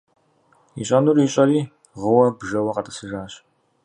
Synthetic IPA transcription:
ḭɕʷʼɐnuɾiːɕʼɐɾiː | ʁəwɐbʒɐwɐqʼɐt̪ʼɐ̥siʒaːɕ

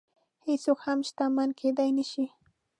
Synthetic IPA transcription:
hɪsʊkhamʃt̪amanked̪ajnɪʃɪ

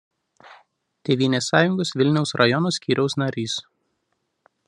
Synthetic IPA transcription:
t̪ʲeːʋʲiːnʲeːsːɑːjʊŋɡoːsʋʲɪlʲnʲɛʊsɾɐjɔnoːsʲkʲiːɾʲɛʊsnɐɾʲiːs

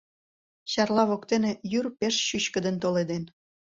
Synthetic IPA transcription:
ɕɑrlɑβokt̪enejyrpeʃɕyɕkə̆d̪ə̆nt̪oled̪en

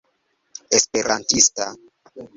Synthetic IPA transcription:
espeɾʔantista

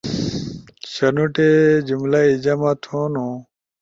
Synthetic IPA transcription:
ɕɐnuʈed͡ʑumlaid͡ʑɐmat̪ʰõnũ

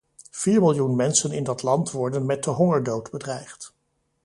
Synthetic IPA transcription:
v̥iːɹmɪlˠjunmɛnsənɪndɑtlɑntʋɔɹdənmɛt̚dəɦɔŋəɹdowdbədrɛjχt

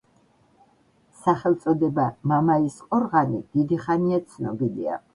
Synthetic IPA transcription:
saχɛlˠt̪sʼɔd̪ɛbamamaisqʼɔɾʁanid̪̥id̪iχaniat̪sʰnɔ̰bilḭa̰

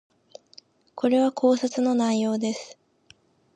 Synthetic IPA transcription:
ko̞ɾe̞βakʰo̞ːsat͡sɨno̞naijo̞ːd̪e̞sɨ̥

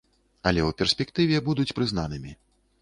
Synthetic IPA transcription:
ɐlʲɛwpʲɛrsʲpʲɛkt̪ɨvʲɛbud̪ut͡sʲpɾɨznanɨmʲi

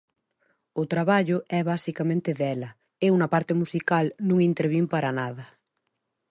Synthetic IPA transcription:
ʊt̪ɾaβaʎʊʔɛβasikamẽnt̪eðɛlɐ | eunɐpaɾt̪emusikalnũŋint̪eɾβimpaɾanað̞ɐ

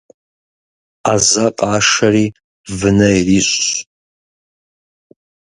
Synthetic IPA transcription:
azaqʼaːʂaɾi | vɨnɐjriɕʷ

